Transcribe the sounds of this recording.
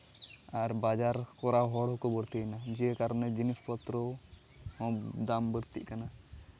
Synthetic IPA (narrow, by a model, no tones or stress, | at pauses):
aɾbad͡ʒaɾkɔɾaɦɔɽɦɔkɔbəɽt̪inad͡ʒiɛkaɾɔnɛd͡ʒinispɔt̪ɾɔ | hɔ̃d̪ambəɽt̪ḭʔkana